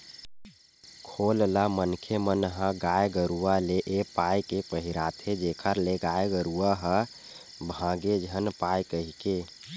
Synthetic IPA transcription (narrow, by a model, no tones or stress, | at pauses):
kʰollamənkʰemənɦə̃ɡajɡəɾualeʔepajkepəɦiɾat̪ɦed͡ʒekʰəɾleɡajɡəɾuaɦə̃ | bʱãɡed͡ʒʱənpajkəɦike